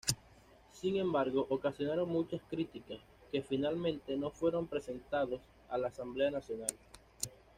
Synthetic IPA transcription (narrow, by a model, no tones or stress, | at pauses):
siŋẽ̞mbaɾɣo̞ʔokasjo̞naɾo̞ŋmũt͡ʃaskɾit̪ikas | ke̞finalmẽ̞nt̪e̞no̞fwe̞ɾo̞mpɾe̞se̞nt̪aðo̞s | alaːsamble̞anasjo̞nal